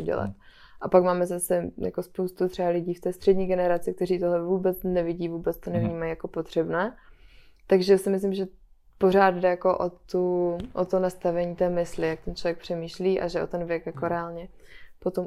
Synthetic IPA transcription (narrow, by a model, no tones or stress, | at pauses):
uɟɛ̰la̰t̪ | ʔapakmaːmɛzasɛja̰ko̞spowst̪ut̪r̥ɛbalɪɟiːft̪ɛːst̪r̝̥ɛdɲiːɡɛnɛɾat͡sɪk̚t̪ɛɾiːt̪oɦlɛvuːbɛt͡snɛvɪɟiːvuːbɛt͡st̪onɛvɲiːmajijako̞pot̪r̝̥ɛbnɛː | t̪aɡʒɛsɪmɪs̬lɪmʒɛ | po̞ɾ̝aːd̪dɛjako̞ʔo̰t̪uʔot̪onast̪avɛɲiːt̪ɛːmɪslɪjak̚t̪ɛnt͡ʃlovjɛk̚pr̥ɛmiːʃliːʔa̰ʒɛʔo̞̰t̪ɛnvjɛkjako̞ɾɛaːlɲɛpo̞t̪o̞m